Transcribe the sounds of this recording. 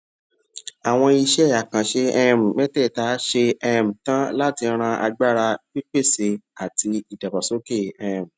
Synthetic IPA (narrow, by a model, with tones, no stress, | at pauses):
a˨w̃ɔ̃˧i˧ʃɛ˦˨a˨kã˨ʃe˧ɛ˦˨m̩˨mɛ˦tɛ˦˨ta˨˦ʃe˧ɛ˦˨m̩˨tã˦la˦ti˧˦ɾ̃ã˧ʔa̰˧ɡ͡ba˦ɾa˧k͡pi˦k͡pe˦˨se˧a˨ti˧i˨da˨ba˨so˨˦ke˦˨ɛ˧˦˨m̩˨